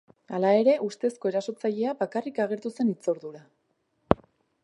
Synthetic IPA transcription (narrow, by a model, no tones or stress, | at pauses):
alae̞ɾe̞ʔust̪e̞sko̞e̞ɾaso̞t͡saʎe̞abakarikaɣ̞e̞ɾt̪use̞nit͡so̞ɾðuɾa